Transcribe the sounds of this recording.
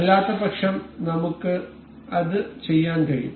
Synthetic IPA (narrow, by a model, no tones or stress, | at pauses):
ɐlːaːt̪ːɐbɐkʂɐmnɐmukːɨ | ɐðɨt͡ɕe̞jːaːnkɐɻijṵm